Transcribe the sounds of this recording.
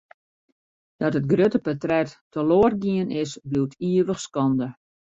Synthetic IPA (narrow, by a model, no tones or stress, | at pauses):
d̥ɔtət̚ɡrøtəpətrɛttəloːərɡiənɪsbliwtʰiəʋəxskɔndə